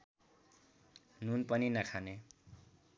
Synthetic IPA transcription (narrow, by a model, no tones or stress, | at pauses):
nunpʌninakʰane